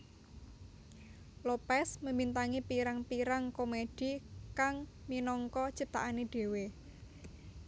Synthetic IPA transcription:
lopɛsməmbint̪aŋipiɾaŋpiɾaŋkomed̥i̤kaŋminɔŋkɔt͡ʃəp̚t̪a̰ʔaneɖ̥e̤we

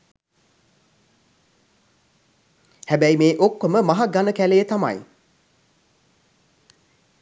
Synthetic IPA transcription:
hæbæjmeːʔokːoməmaɦaɡanəkæleːt̪ama̰j

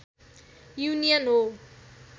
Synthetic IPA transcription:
junijʌnɦo

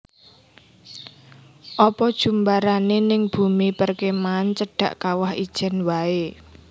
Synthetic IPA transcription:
ʔɔpɔd̥ʒ̥ṳmbaɾanenɪŋb̥ṳmipərkemaːnt͡ʃəɖ̥a̤̰ʔkawahid̥ʒ̥ɛ̤nwae

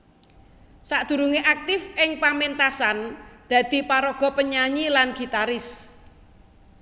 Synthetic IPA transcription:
saʔd̪̥ṳɾuŋeʔak̚t̪ɪfɪŋpament̪asand̪̥ä̤d̪̥i̤paɾɔɡ̥ɔ̤pəɲaɲilanɡ̥i̤t̪aɾɪs

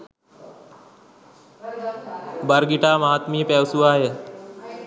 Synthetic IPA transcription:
bɐɾɡiʈaːmaɦat̪mijəpɛʋsuʋaːjə

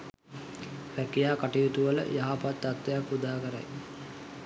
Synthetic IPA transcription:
ʋækijaːkaʈijut̪uʋələ̰jaɦapat̪ːat̪ːejakːud̪aːkəɾa̰j

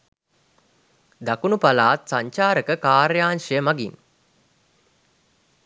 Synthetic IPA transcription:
d̪akunupalaːt̪saɲt͡ʃaːɾəkəkaːɾjaːnʃəjəmaɡin

